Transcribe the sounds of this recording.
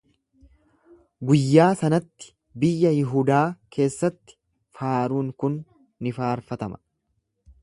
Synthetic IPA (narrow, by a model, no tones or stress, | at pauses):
ɡʊjːaːsɐnɐt̪ːɪ̥ | bɪjːɐjɪɦuːd̪aːkʰe̞ːsːɐt̪ːɪ̥ | faːɾuːŋkʊnː | ɪfaːɾfɐt̪ɐmɐ̥